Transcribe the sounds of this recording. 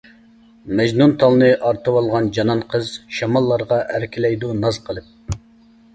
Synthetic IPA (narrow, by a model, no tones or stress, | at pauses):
mɛd͡ʒnunt̪ʰɑlˠnɨʔɑɾt̪ʰɨwɑlˠʁɑnd͡ʒɑnɑnqʰəzʃɑmɑlˠːɑɾʁɑʔæɾkʲʰilɛjd̪unɑz̥qʰəlˠɨp̚